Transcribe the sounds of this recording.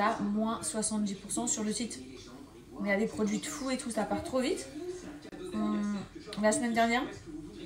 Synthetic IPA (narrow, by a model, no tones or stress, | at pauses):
amwɛ̃swasɑ̃t̪̚d̪ipuʁsɑ̃syʁləsit̪ | ɔ̃jad̪epχɔd̪ɥid̪əfuet̪ʰusapaʁt̪χovit̪ | lasəmɛnd̪ɛʁnjɛːʁ